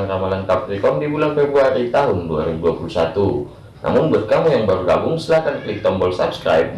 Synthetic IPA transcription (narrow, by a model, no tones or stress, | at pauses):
ŋkamalankap̚rikɔmdibulanfebɾuaɾit̪aɦʊndua̰ɾibuduapulusat̪u | nʔa̰mʊnbədkamjaŋbərɡabʊŋsəlahkanklɪk̚t̪ɔmbɔlsabskɾa̰jp̚